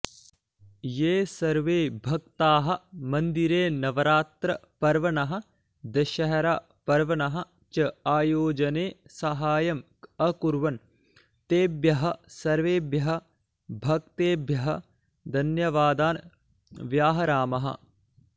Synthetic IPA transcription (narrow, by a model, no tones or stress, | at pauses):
jeːsɐɾʋeːbʱɐkt̪aːɦɐ̆mɐ̃nd̪iɾeːnɐʋɐɾaːt̪ɾɐpɐɾʋɐnɐɦɐ̆ | d̪ɐʃɐɦɐɾaː | pɐɾʋɐnɐɦɐ̆ | t͡ʃɐaːjoːd͡ʒɐneːsɐɦaːjɐm | ɐkuɾʋɐn | t̪eːbjɐɦɐ̆sɐɾʋeːbjɐɦɐ̆ | bʱɐk̚t̪eːbʱjɐɦɐ | d̪ʱɐnjɐʋaːd̪aːn | ʋjaːɦɐɾaːmɐɦɐ̰